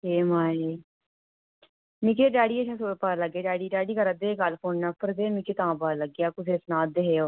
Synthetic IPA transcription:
ɦeːmaːeː | mɪkeːɖaːɽiːəʃʰãːsoːpaːləɡeːɖaːɖiːɖaːɖiːkəɾəd̪eːkalpʰoːnnaːpəɾd̪eːmɪkeːt̪ãːbaːləɡɪjaːkʊsʰeːsnãːd̪eɦeːoː

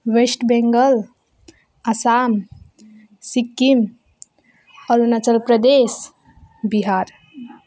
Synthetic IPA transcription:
wesʈbeŋɡəl | asam | sikːim | ɔɾunət͡ʃəlpɾəd̪es | biɦaɾ

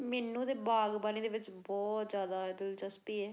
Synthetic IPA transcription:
mɛːnũːd̪eːbaːɡbaːniːd̪eːʋɪt͡ʃbɔːt̪zjaːd̪aːd̪əlt͡ʃəspiːɛː

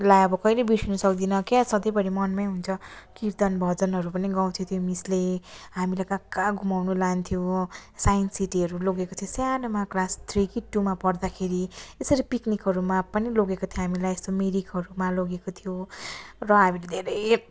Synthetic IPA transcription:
lajʌbʌkʌjlebiʈʰinʌsʌkd̪inʌkjasʌd̪ʌjbʌɽimʌnmʌjɦunt͡sʰʌkiɾt̪ʌnbʱʌd͡zʌnɦʌɾupʌniɡaw̃t̪ʰjot̪ʰjomisleɦamilakakːaɡʱumawnulant̪ʰijosajinsiʈiɦʌɾuloɡekot̪ʰjosjanomaklast̪rikiʈːumapʌrd̪akʰeɾiesʌɾipiknikɦʌɾumapʌniloɡekot̪ʰjoɦamilajest̪omiɾikɦʌɾumaloɡekot̪ʰijo | rʌɦamiled̪ʱeɾʌj

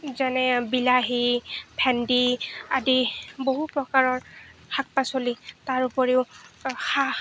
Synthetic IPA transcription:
zanɛbilaɦipʰɛndiadiboɦupɹɔkaɹɔɹxak̚pasolitaɹupɔɹeʊxa

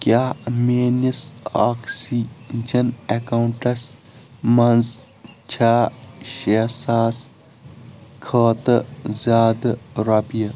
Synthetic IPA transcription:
kjaːmeːnisaːksiːd͡ʒɐnekauɳʈɐs | mɐnz | t͡ʃʰaːʃesaːs | kʰɐːt̪ɨzʲaːd̪ɐɾɐpijɐ

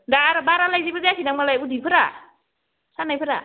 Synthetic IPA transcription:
daɾɔbaɾalajzibazajakʰinaŋmalajudipʰɯɾa̰ | sanajpʰɯɾa̰

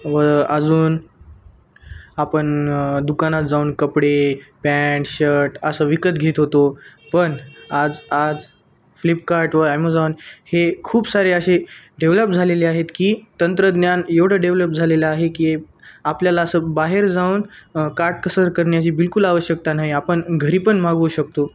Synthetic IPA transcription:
ʋəəd͡zuːn | apəɳd̪ukanat̪d͡zauːnkəpɽepæʈɕəʈəsəːʋikət̪ɡʱet̪ɦot̪opəɳad͡zad͡z | flipkaɾʈʋəamod͡zaunhekʰuːbsaɾeəɕeɖeʋləp̚d͡zʱaleleaɦet̪kiːt̪ənt̪ɾəd̪njanjeʋɽ̤əɖeʋləp̚d͡zʱaleləaɦekiː | apljalaːsəːbaɦeɾd͡zauːnkaɾʈ̚kəsəɾkəɾɳjat͡ɕiːbilkulaʋəɕjək̚t̪anaɦiapəɳɡʱəɾiːpəɳmaɡuːɕək̚t̪o

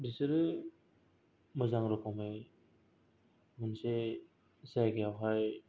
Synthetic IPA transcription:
bisɯɾɯ | mɯzaŋɾɔkʰɔme | mɯnse | zajɡejawɦaj

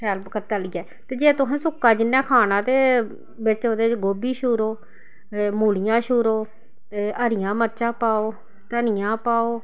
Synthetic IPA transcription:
ʈʰɛːlbkət̪aːləɡɛː | t̪eːd͡ʒeːt̪ʊɦãːsʊkːãːd͡ʒɪnːãːkʰaːnãːt̪eː | bɪt͡ʃoːt̪eːɡoːbiːʃuːɾoː | muːɽɪjãːʃʊːɾoː | t̪eːəɾɪjãːməɾt͡ʃãːpaːoː | t̪ənɪjãːpaːoː

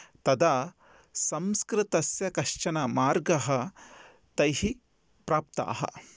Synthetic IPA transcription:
t̪ɐd̪aː | sɐmskɾɪt̪ɐsjɐkɐʃt͡ʃɐnɐmaːɾɡɐɦɐ | t̪ɐjhi | pɾaːp̚t̪a̰ːɦɐ̰

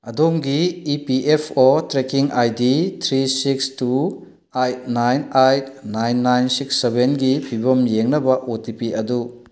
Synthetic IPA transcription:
ɐdomɡiːpiʔepʰotɾekiŋʔajditʰɾisikstu | ajt̚najnajt̚najnːajnsiksːebʱenɡipʰibɐmjeŋnɐbɐʔotipiɐdu

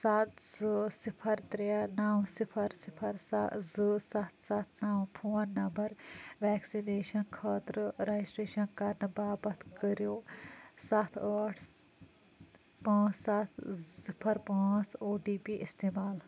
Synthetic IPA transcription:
sat̪zɨsipʰɐɾt̪ɾanaːwsipʰɐɾsipʰɐɾsazɨsɐt̪ʰsɐt̪ʰnaːwpʰoːnːɐmbɐɾʋɛːksineːʃɐnkʰɐːt̪ɾɨɾɐd͡ʒisʈɾeːʃɐnkɐɾnɨbaːbɐt̪kəɾjoːsɐt̪ʰəːʈʰ | pãːsɐt̪ʰsipʰɐɾpãːt͡soːɖiːpiʔist̪eːmaːl

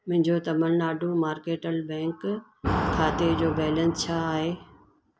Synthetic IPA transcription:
m̃ɦɪ̃ɲd͡ʑot̪ɐməlnaːɖʱõmaːɾkeːʈəlbɛ̃ːŋk | kʰːaːt̪ed͡ʑoːbɛːlə̃nst͡ɕʰaːɦeː

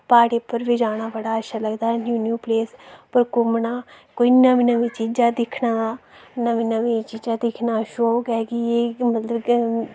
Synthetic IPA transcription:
paːɽeːpəɾʋiːd͡ʒaːɽ̃aːbəɽaːəʃaːləɡd̪aːnjuːnjuːpleːspəɾkʊmnaː | koːinəʋĩːnəʋĩːt͡ʃiːd͡ʒaːd̪ɪkʰnaːnəʋĩːnəʋẽːt͡ʃiːd͡ʒaːd̪ɪkʰnaːʃoɡɛːɡiemət̪ləb

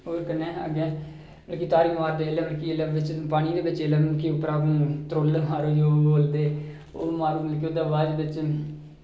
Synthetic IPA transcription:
ɦoːɾkənːẽːaɡeː | əlkiːt̪aːɾiːʋaːɾd̪eːlẽːməlkiləʋʋɪt͡ʃpaːɽ̃iːd̪eːʋɪt͡ʃeləbkiːʊpːəɾaːkːt̪ɾoːlɦaːɾoːjoːboːld̪eː | oːmaːɾuːməlkioːd̪aːʋaːd͡ʒʋɪt͡ʃ

